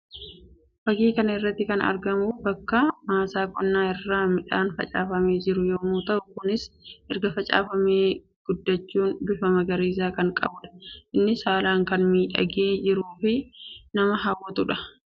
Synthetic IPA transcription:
fɐɡiːkɐnɐɪrːɐt̪ːɪkɐnɐ̰ɾɡɐmʊbɐkːɐmaːsaːkʼɔnːaːɪrːaːmɪᶑaːnfɐ̰t͡ʃʼa̰ːfɐmeːd͡ʒɪɾʊjoːmuːt̪ɐʔʊkʊnɪsʔɛɾɡɐfɐt͡ʃʼa̰ːfɐmeː | ɡ̥ʊd̪ːɐt͡ʃːuːnd̪ʊfɐmɐɡɐɾiːsaːkɐŋkʼɐ̰bʊᶑɐ̥ʔɪnːɪsaːlaːŋkɐnmiːᶑɐ̰ɡeːd͡ʒɪɾuːfɪnɐmɐɦɐwːɔt̪ʊᶑɐ̥

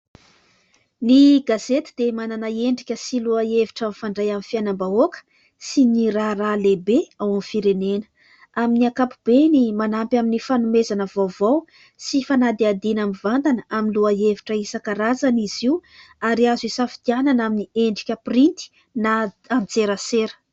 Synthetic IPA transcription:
niɡazet̪i̥d̪̥emananaeɳɖ͡ʐikʲəsiluaeviʈ͡ʂamfaɳɖ͡ʐajamifianambaokə̥ | siɲiɾaralebeawanfiɾenenə̥ | aminiakapub̥enimanampʲaminifanumezanəvowvaw | sifanad̪iad̪inamivant̪anəaminluaeviʈ͡ʂəisakaɾazaniziu | aɾiazisafi̥t̪iananaminieɳɖ͡ʐikʲəprint̪i̥ | na | ant͡seɾəseɾə̥

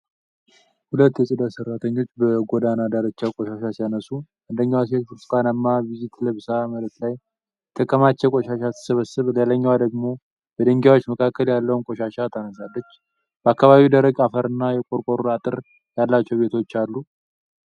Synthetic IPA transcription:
hulət̪ːjɛsʼɨd̪asərːat̪ʰəɲːo̞t͡ʃːbəɡod̪anad̪aɾət͡ʃːakʼoʃaʃasijanəsuʔɨnd̪əɲːawas̬et̪fɨɾskʰanəmːaβizit̪ʰləβsamələt̪laj | t̪ʰəkʰːəmat͡ʃːɛkʼoʃaʃat̪ʰːɨ̥səβəsːɨβleləɲːawad̪əɡmo̞ | b̥əd̪əŋɡawo̞t͡ʃːməkʰakʰːəljalːəwnkʼoʃaʃat̪ʰanəsalːət͡ʃː | b̥əakːaβaβiwd̪əɾəɡafəɾɨnːajɛkʼoɾkʼoɾuɾat̪ʼɨɾ | jalːat͡ʃːɛwβe̞t̪ʰo̞t͡ʃːalːu

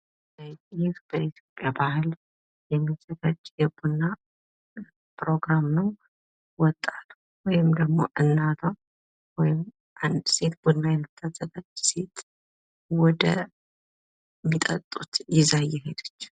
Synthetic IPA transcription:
jɪfb̥əit̪ʰjo̞pʼːjabahɨl | jɛmːisək̪at͡ʃʼːjɛbunːa | pʰɾo̞ɡɾamnəw | wɔt̪ʼːat̪ʰu | wɔjɪmd̪əɡmo̞̰ʔɨnːat̪ʰə | wɔjɪm | and̪se̞t̪bunːajɛmːɨt̪ʰʼːat̪ʼːət̪ʰat͡ʃːse̞t̪ | wɔd̪ə | mːit̪ʼə̰t̪ʼːut̪jɪzajɛɦed̪ət͡ʃː

